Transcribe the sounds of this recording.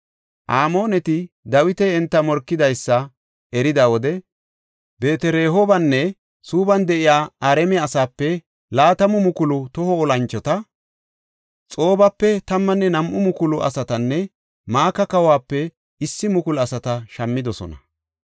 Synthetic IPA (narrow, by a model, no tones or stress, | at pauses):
ʔaːmo̞ːnɛt̪ɪ | d̪ɐwɪt̪ɛɛnt̪ːɐmɔɾkːɪd̪ɐjsːɐ | ɛɾɪd̪awɔd̪ɛ | be̞ːt̪ɛɾeːɦobɐnːɛ | suːbɐnd̪ɛʔɪjaːaːɾɛmɛɐsaːpːɛ | laːt̪ɐmʊmʊkʊlʊt̪ɔhɔɔlɐnt͡ʃːɔt̪ɐ | t͡sʼo̞ːbɐpːɛt̪ɐmːɐnːɛnɐmʔʊmʊkʊlʊʔɐ̰sɐt̪ɐnːɛ | maːkɐkɐwaːpːɛ | ɪsːɪmʊkʊlɐsɐt̪ɐʃɐmːɪd̪ɔsɔ̰nɐ